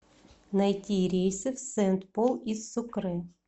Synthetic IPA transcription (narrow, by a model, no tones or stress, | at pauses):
nɐjtʲiɾʲejsʲɨft̪sɛnt̪polˠisʊkɾɨ